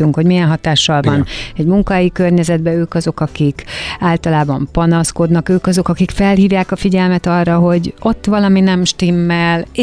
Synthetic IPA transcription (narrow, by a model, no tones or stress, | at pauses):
yŋkho̞ɟmijɛnɦɒt̪aːʃːɒlvɒnɛɟmuŋkɒɦɛjikørɲɛzɛd̪bɛøːkɒzo̞kɒkikaːlt̪ɒlaːbɒmpɒnɒsko̞d̪nɒkøːkɒzo̞kɒkikfɛlhiːvjaːkɒfiɟɛlmɛt̪ɒrːɒɦo̞ɟo̞t̪ːʋɒlɒminɛmʃt̪imːɛl